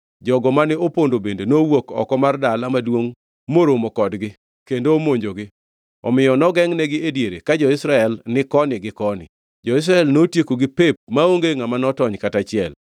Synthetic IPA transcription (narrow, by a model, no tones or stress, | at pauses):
d͡ʒɔɡɔmanɪopondobendenowokɔ̰kɔmardalamadwoŋ | moɾomokɔdɡɪ | kendoːmoɲd͡ʒoɡɪ | ɔ̰mɪjɔnɔɡɛŋnɛɡɪedjeɾekad͡ʒɔɪsɾaɛlnɪkɔnɪɡɪkɔnɪ̰ | d͡ʒɔɪs̬ɾaɛlnotjekoɡɪpep̚maoŋɡeŋamanɔtɔɲkatat͡ʃɪɛl